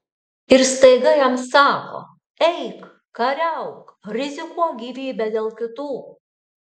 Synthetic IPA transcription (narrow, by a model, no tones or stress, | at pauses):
ɪɾst̪ɐɪɡɐjɛmsɑːko̰ː | ɛɪk | kɐɾʲɛʊkɾʲɪzʲɪkuɔɡʲiːʋʲiːbʲɛd̪ʲeːlˠkʲɪt̪uː